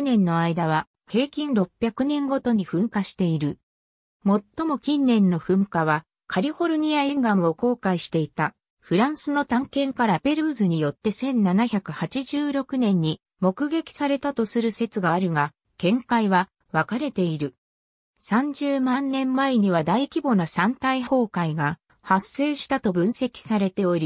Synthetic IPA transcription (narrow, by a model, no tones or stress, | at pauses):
nẽ̞nːo̞aid̪aβ̞a | he̞ːkʲĩnɾo̞pʲːjakɯ̟nẽ̞ŋɡo̞t̪o̞ɲ̟iɸɯ̟̃ŋkaɕi̥t̪e̞iɾɯ̟ | mo̞t̪ːo̞mo̞kʲĩnːẽ̞nːo̞ɸɯ̟̃ŋkaβa | kʰaɾʲiho̞ɾɯ̟ɲ̟iaĩŋɡamɯ̟o̞ko̞ːkaiɕi̥t̪e̞it̪a | ɸɯ̟ɾãɰ̃sɨno̞t̪ãŋkẽ̞ŋkaɾape̞ɾɯːzɨɲ̟ijo̞t̪ːe̞sẽ̞nnanaçʲakɯ̟hat͡ɕiʑɨːɾo̞kɯ̟nẽ̞ɲ̟ːi | mo̞kɯ̟ɡe̞kʲi̥saɾe̞t̪at̪o̞sɨɾɯ̟se̞t͡sɨɡaːɾɯ̟ŋa | kẽ̞ŋkaiβa | βakaɾe̞t̪e̞iɾɯ̟ | sãɲ̟d͡ʑɨːmãnːẽ̞mːaeɲ̟iβ̞ad̪aikʲibo̞nasãnt̪aiɦo̞ːkaiɡa | hasːe̞ːɕi̥t̪at̪o̞bɯ̟̃ɰ̃se̞kʲi̥saɾe̞t̪e̞o̞ɾʲi